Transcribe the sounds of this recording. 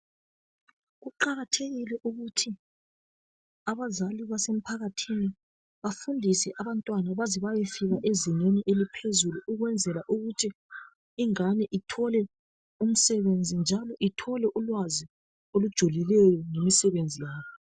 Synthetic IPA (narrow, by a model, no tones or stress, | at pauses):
ɣuǃaɣatʰeɣilɛʔuɣutʰi | aβazaliβasem̩pʰaɣatʰini | βafundʱisɛʔaβantʼwanaβazɛβajefiɣaʔezineniʔelipʰezuluʔuɣwɛnd͡zʱɛlaʔuɣutʰi | iŋanɛʔitʰɔlɛ | um̩sɛβend͡zʱind͡ʒʱalɔʔitʰɔlɛʔulwazi | olud̥ʒ̥ʱulilɛjɔŋemisɛβend͡zʱijaːβɔ